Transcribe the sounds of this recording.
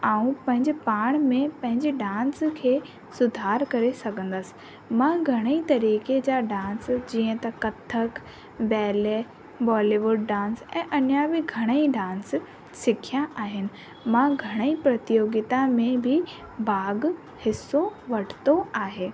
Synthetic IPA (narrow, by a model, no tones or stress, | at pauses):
aːũpɐ̃ɦɪ̃ɲd͡ʑɪpaːɽ̃mẽpɐ̃ɦɪ̃ɲd͡ʑɪɖãːnskʰeː | sʊd̪ʱaːɾkɐɾesɐɡʱə̃n̆d̪əsɪ̥̆ | mãːɡʱɐɽ̃əit̪ɐɾiːked͡ʑaːɖãːnsd͡ʑiːə̃t̪ɐkɐt̪ʰːək | bɛːle | bɔːliʋʊɖɖãːnsɛ̃ːʔɐnjabɪɡʱɐɽ̃əiɖãːns | sɪkʰijãʔaːɦɪnɪ̆ | mãɡʱɐɽ̃əipɾɐt̪ɪjoːɡɪt̪ãmẽbʱɪ | baːɡ | hɪsːoʋɐʈʰɪ̥t̪oaːɦeː